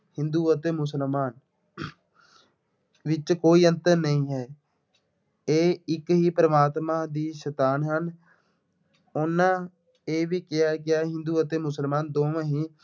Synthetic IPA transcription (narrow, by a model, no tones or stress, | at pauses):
hɪnd̪uːət̪eːmʊsəlmaːn | ʋɪt͡ʃkoːiːənt̪əɾnəĩːɦɛː | eːɪkɦiːpəɾəmaːt̪mãːd̪iːʃət̪aːnɦən | ʊnːãː | eːʋiːkɪaːkɪaːɦɪ̃nd̪uːət̪eːmʊsəlmaːnd̪oːmãːɦiː